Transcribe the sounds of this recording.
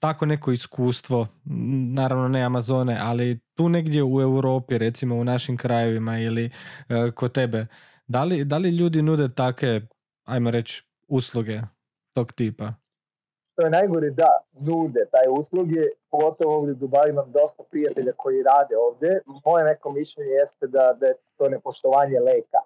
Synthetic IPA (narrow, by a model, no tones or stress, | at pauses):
t̪ako̞ne̞ko̞iskuːst̪ʋo̞naːɾaʋno̞neamazo̞ːneʔalit̪uːne̞ɡd̪je̞ue̞wɾo̞ːpiɾe̞t̪simo̞unaʃimkɾaje̞ʋimailikot̪e̞be̞ | d̪alid̪aliʎuːd̪inuːd̪e̞t̪akʋe̞ | ajmo̞ɾe̞t͡ɕ | uslˠuɡe̞ | t̪o̞ːɡt̪iːpa | ʃt̪ojenajɡoɾid̪a | nuːd̪ɛt̪aːjuslˠuɡjepoɡo̞t̪oʋooːʋd̪jed̪obaʋimamd̪o̞st̪apɾijat̪e̞ʎako̞jiɾaːd̪eoːʋd̪ʲjemo̞jene̞komiʃʎeɲejest̪ed̪ad̪ajet̪o̞nepoʃt̪oʋaːɲeleːka̰